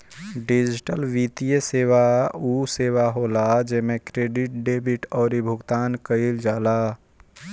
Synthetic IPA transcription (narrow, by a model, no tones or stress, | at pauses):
ɖid͡ʒɪʈəlʋit̪ijeseːwauseːwaɦoːlad͡ʒemẽkɾeɖɪʈ̚ɖeːbiʈɔːɾibʱʊɡt̪aːnkəɪld͡ʒaːla